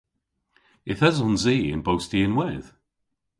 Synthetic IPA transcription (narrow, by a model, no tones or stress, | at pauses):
ɪθəzɔ̃nziːɪ̰̃nboʊstiɪ̃nwɛð̥